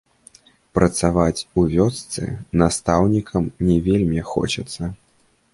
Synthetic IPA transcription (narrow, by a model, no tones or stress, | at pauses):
pɾɐt̪savat͡sʲuvʲɔt̪st̪sɨ̰nast̪awnʲikʰɐmnʲɛvʲelʲmʲixɔ̰t͡ʃɐt̪sːɐ